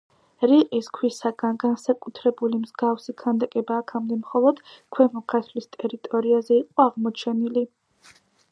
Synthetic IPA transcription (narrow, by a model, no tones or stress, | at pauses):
ɾiqʼiskʰwisaɡanɡansakʼut̪ʰɾɛbulimzɡafsikʰand̪akʼɛbaːkʰamd̪ɛmχɔlˠɔd̪̥kʰwɛmɔkʰat̪ʰlist̪ʼɛɾit̪ʼɔɾiazɛiqʼɔaʁmɔt͡ʃʰɛnili